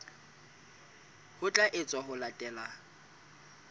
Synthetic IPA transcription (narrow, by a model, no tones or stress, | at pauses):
hʊt͡ɬʼaʔɪt͡sʼwaɦʊlatʼɛːla